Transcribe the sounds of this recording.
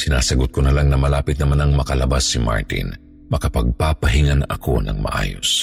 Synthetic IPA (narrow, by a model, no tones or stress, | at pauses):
sɪnaːsɐɡʊt̪̚konɐlaŋnɐmɐlaːpɪt̪nɐmanɐŋmɐkɐlɐbasːima̰ɹt̪ɪ̰n | mɐkɐpɐɡ̚papɐɦɪŋanʔɐ̰ko̞̰nɐ̰ŋmɐ̰ʔa̰ːjo̞̰s